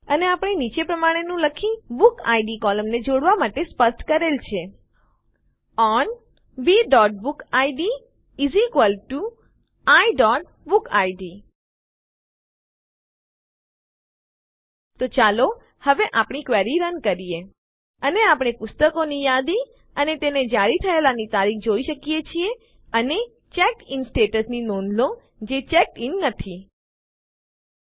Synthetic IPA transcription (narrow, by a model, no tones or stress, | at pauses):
əneapɽ̃init͡ʃepɾəmaɽ̃enũləkʰĩbuka̰iɖikɔləmned͡ʒoɽʋamaʈespəsʈkəɾelt͡ʃʰe | ɔn | biɖɔʈ̚bukaiɖiː | zikʋəlʈu | aiɖɔʈ̚ | bukajɖi | t̪ot͡ʃalo | həʋeʔapɳ̃ikʋɛɾiɾənkəɾije | əneapɳ̃epʊst̪əkonijad̪i | ənet̪ened͡ʒaɾit̪ʰəelanit̪aɾikʰd͡ʒoiʃəkijet͡ʃʰie | əne | t͡ʃɛkɪnsʈeʈəsninonlo | d͡ʒet͡ʃɛkɪnːət̪ʰi